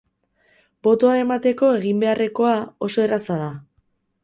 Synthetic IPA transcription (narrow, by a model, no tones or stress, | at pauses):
bo̞t̪o̞ae̞mat̪e̞ko̞e̞ɣimbe̞are̞ko̞ao̞so̞e̞rasað̞a